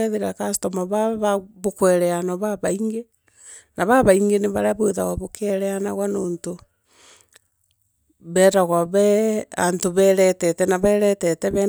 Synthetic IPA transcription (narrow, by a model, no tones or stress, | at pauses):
ɛðeɾakastomaβaβaβokwɛɾɛanɔβaβaiŋɡe | naβaβaiŋɡeneβaɾaβweðaɣwaβokʰɛɾɛana̰ɣwanoːnto | βɛːtaɣwaβɛantoβɛɾɛtɛtɛnaβɛɾɛtɛtɛβɛ